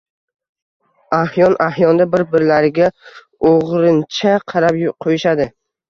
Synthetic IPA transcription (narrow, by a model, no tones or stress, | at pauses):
ahjɒnʔahjɒnd̪abɪɾbɪɾlaɾɪɡʲa | oʁɾɪnt͡ʃʰaqʰɑɾapjqʰojɪʃad̪ɪ